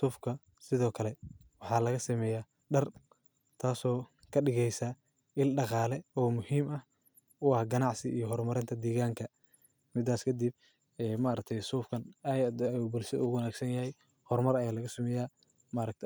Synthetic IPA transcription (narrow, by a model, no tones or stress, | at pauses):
suːfkʰɐ | sɪðɔːkʰɐlɛ | wɑħɑːlɐɣɐsɐmɛːjaː | ɖɐr | t̪ʰaːsɔː | kʰɐɗɪɣɛjsa | ʔɪlɖɑqɑːlɛɔːmʊhiːmɐh | ʊɑhɡɐnɑʕsɪijɔɦɔrmɐɾɪnt̪ʰɐd̪iːɣaːŋkʰɐ | mɪd̪aːskʰɐd̪ib̚ | ɛːmaɾɐk̚t̪ʰɛjsuːfkʰɐnjd̪bɔlsɐṵwɐnaːɡsɐnjɐhɛj | hɔrmɐɾɐjaːlɐɣɐsɐmɛjaː | maɾɐk̚t̪ʰ